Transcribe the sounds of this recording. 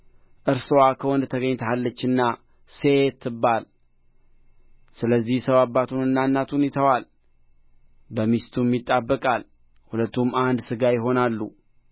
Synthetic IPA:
ʔɨɾsowakʰəwɔnd̪t̪ʰəɡəɲːt̪ʰəhalːət͡ʃːɨnːa | set̪ʰːɨbːal | sɨləzːihsəwabːat̪ʰunɨnːanːat̪ʰunet̪ʰəwal | bəmist̪ʰumjit̪ʼːabːəkʼal | hulət̪ːumand̪sɨɡajɪɦo̞nalːṵ

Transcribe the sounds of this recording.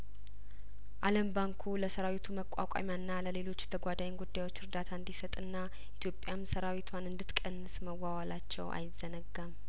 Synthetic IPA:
ʔaləmbaŋkʰuləsəɾawit̪ʰuməkʼːa̰kʷʼa̰mjaɨnːaləle̞lo̞t͡ʃːt̪ʰəɡʷad̪ajnɡud̪ːajwo̞t͡ʃːɨɾd̪at̪ʰaɨnd̪isət̪ʼɨnːa | ʔit̪ʰjo̞pʼjamsəɾawit̪ʰwanɨnd̪ɨt̪kʼənsməwːawalat͡ʃːɛ̰wʔa̰jɪzənəɡːəm

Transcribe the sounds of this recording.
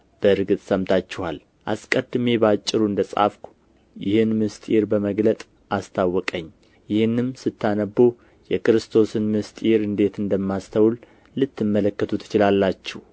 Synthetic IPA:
b̥əɨɾɡɨt̪ʼsəmt̪ʰat͡ʃːɛhal | ʔa̰skʼəd̪me̞bəat͡ʃʼːɪɾuɨnd̪əsʼa̰fkʷ | jɪhɨnmɨst̪ʼiɾbəməɡlət̪ʼ | ʔast̪ʰawːɔkʼəɲː | jɪhɨnːɨmsɨt̪ːanəbːo | jɛkɨɾɨst̪ʰo̞sɨnmɨst̪ʼɾɨnd̪e̞t̪ɨnd̪əmːast̪ʰəwl | lɨt̪ːɨmːələkːət̪ʰut̪ʰɨ̥t͡ʃɪlalːat͡ʃːɛh

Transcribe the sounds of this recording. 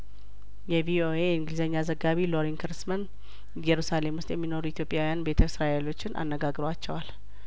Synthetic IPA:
jɛvio̞ʔe̞jɨŋɡɨlzəɲːazəɡːaβilo̞ɾiŋkʰɨɾsmən | jɛɾusale̞mwʊst̪jɛmːino̞ɾuit̪ʰjo̞pʼːjawijanbe̞t̪ʰəsɾaʔelo̞t͡ʃːɪnʔa̰nːəɡaɡɾəwat͡ʃːɛwal

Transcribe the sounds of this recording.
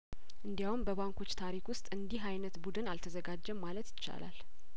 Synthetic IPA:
ʔɨnd̪ijawumbəβaŋko̞t͡ʃːt̪ʰaɾikwʊst̪ʼɨnd̪iɦajnət̪bud̪ɨnalt̪ʰəzəɡad͡ʒːɛmːalət̪jɪt͡ʃːa̰la̰l

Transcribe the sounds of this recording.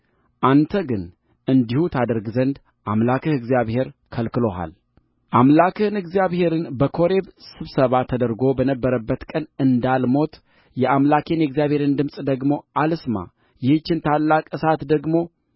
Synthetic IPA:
ʔant̪ʰəɡɨn | ʔɨnd̪ihut̪ʰad̪əɾɡzənd̪ | ʔamlakʰɨhɨɡzijaβhe̞ɾkʰəlkɨlo̞ɦa̰l | ʔamlakʰɨhɨnɨɡzijaβhe̞ɾɨnbəkʰo̞ɾe̞βsɨβsəβat̪ʰəd̪əɾɡo̞bənəbːəɾəbːət̪kʼənɨnd̪almo̞t̪ | jɛʔamlakʰe̞nɛɡzijaβhe̞ɾɨnd̪ɨmsʼd̪əɡmo̞ʔalɨsma̰ | jɪht͡ʃːɪnt̪ʰalːakʼɨsat̪d̪əɡmo̞

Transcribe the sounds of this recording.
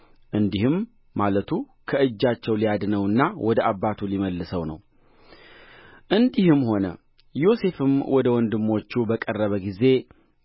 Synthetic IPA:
ʔɨnd̪ihɨmː | alət̪ʰu | kʰəɨd͡ʒːat͡ʃːɛwlijad̪nəwɨnːawʔɔd̪əʔabːat̪ʰuliməlːɨsəwnə̰w | ʔɨnd̪ihɨmho̞nə̰ | jo̞se̞fɨmwɔd̪əwɔnd̪ɨmːo̞t͡ʃːubəkʼərːəβəɡize̞

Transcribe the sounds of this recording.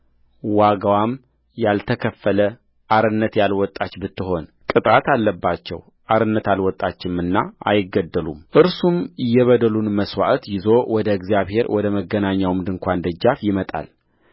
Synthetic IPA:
waɡawam | jalt̪ʰəkʰəfːələ | ʔaɾɨnːət̪jalwɔt̪ʼːat͡ʃːbɨt̪ːɨɦo̞n | kʼɨt̪ʼat̪alːəbːat͡ʃːɛ̰w | ʔaɾɨnːət̪alwɔt̪ʼːat͡ʃːɪmɨnːaa̰jɪɡəd̪ːəlṵmʔɨɾsumjːɛβəd̪əlunməswa̰ʔt̪jɪzo̞wɔd̪əɨɡzjaβhe̞ɾwɔd̪əməɡːənaɲːawmd̪ɨŋkʷʰand̪əd͡ʒːafjɪmət̪ʼa̰l

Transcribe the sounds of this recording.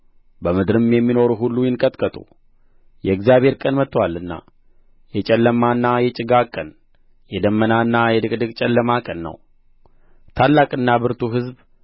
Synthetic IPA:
bəmɨd̪ɾɨmjɛmːino̞ɾuɦulːujɪnkʼət̪ʼkʼət̪ʼṵ | jɛɨɡzijaβheɾkʼənmət̪ːwalːɨnːa̰ | jɛt͡ʃʼɛlːəmːanːajɛt͡ʃʼɪɡakʼən | jɛd̪əmːənaɨnːajɛd̪ɨkʼd̪ɨkʼt͡ʃʼɛlːəmakʼənːə̰w | t̪ʰalːakʼɨnːabɨɾt̪ʰuɦɨzb

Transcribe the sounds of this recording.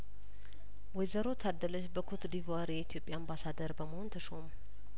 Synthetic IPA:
wɔjzəɾo̞t̪ʰad̪ːələʃbəkʰot̪d̪ivaɾjɛit̪ʰijo̞pʼjaːmbasad̪əɾbəməhont̪ʰəʃomu

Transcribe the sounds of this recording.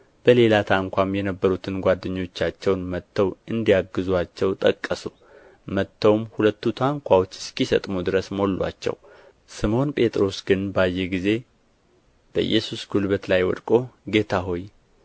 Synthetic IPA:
b̥əle̞lat̪ʰaŋkʷamjɛnəbːəɾut̪ʰɨnɡʷad̪ːɨɲːo̞t͡ʃːat͡ʃːɛwnmət̪ʰːəwɨnd̪ijaɡːɨzuat͡ʃːɛwt̪ʼəkʼːəsu | mət̪ʰːəwmhulət̪ːut̪ʰaŋkʷawo̞t͡ʃːskisə̰t̪ʼmud̪ɨɾəsmo̞lːʔa̰t͡ʃːɛ̰w | sɨmo̞npʼe̞t̪ʼɾo̞sɡɨnbajːɛɡize̞ | b̥əʔɨ̰jːɛsusɡulβət̪lajwɔ̰d̪kʼo̞ɡe̞t̪ʰaɦo̞j

